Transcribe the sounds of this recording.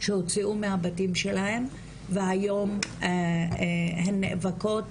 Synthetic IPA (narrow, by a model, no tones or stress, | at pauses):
ʃehot͡siumehabatimʃe̞lahe̞m | veajo̞m | henːḛʔvako̞t